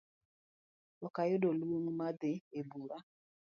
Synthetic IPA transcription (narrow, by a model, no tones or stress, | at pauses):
ɔkajʊdoluoŋmad̪ɪebuɾa